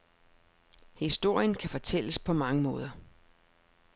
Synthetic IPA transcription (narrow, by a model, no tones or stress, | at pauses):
hisd̥o̝ɐ̰jənkʰæfɒ̽t͡sʰel̰əspʰɒ̽mɑ̈ŋəmɔ̽ːð̞ˠɐ